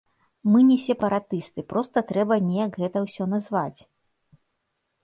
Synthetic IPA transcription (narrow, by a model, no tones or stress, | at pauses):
mɨnʲɛsʲɛpɐɾat̪ɨst̪ɨpɾʔɔst̪ɐt̪ɾɛbɐnʲɛjɐkɣɛt̪ɐwsʲɔnazvat͡sʲ